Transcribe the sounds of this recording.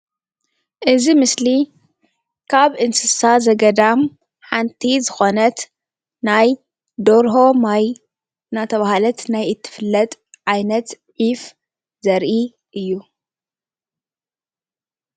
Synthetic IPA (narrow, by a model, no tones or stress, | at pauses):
ʔɨzimɨsli | kʰaβʔɨnsɨsazɐɡɐd̪am | ħant̪ʰizɨxo̞nɐt̪ | naj | d̪oɾɦo̞maj | nat̪ʰɐβahalɐt̪najɨt̪ʰːɨ̥fɨlːɐt̪ʼʕajnɐt̪ | ʕif | zɐɾʔi | ʔɨjːu